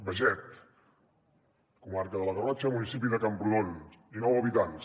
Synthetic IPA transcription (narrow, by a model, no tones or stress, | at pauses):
bəʒɛt̪̚ | kumarkəðəlaɣrɔt͡ʃamunisip̬iðəkampɾuðoninɔwaβit̪ans